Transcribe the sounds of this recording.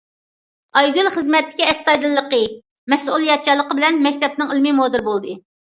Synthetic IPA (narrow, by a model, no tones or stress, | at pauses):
ɑjɡʲylˠχəzmɛt̪ːɪ̥kʲiɛst̪ɑjd̪ɨlˠːəqə | mɛsʔulˠjɑt̪̚t͡ʃʰɑlˠːəqəbɪlɛnmɛkʲt̪ɛp̚nɨŋilmimod̪ɨɾbolˠd̪ɨ